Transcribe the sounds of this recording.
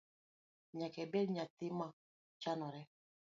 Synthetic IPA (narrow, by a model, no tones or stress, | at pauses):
ɲakɛbɛɾɲatima | t͡ʃanɔɾɛ